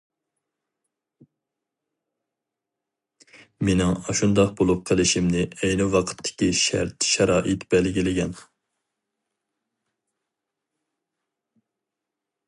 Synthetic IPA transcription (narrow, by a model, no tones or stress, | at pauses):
menɪŋɑʃund̪ɑq̚bulˠʊpqʰːəlˠɪʃimnɪɛjnɪwɑqʰə̥t̪ʰːɪ̥kʲiʃæ̰ɾt̪ʃɛɾɑːʔɨt̪b̥ɛlɡʲilɪɡʲɛn